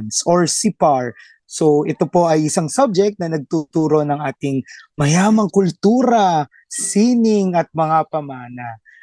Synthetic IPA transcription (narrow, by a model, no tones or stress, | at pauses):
d̪sʔoɹsipaɹ | soʔɛt̪o̞po̞ʔɐjʔɪsaŋsɐb̚d͡ʒɛk̚t̪nɐnɐɡ̚t̪ut̪uːɾo̞nɐŋʔaːt̪ɪŋmɐjaːmɐŋkʊlt̪uːɾɐ | sinɪŋɐt̪̚mɐŋapɐmaːnɐ